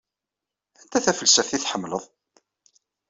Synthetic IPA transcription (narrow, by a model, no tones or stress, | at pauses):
ænt̪æθæfəlsæθiθħəmːləðˤ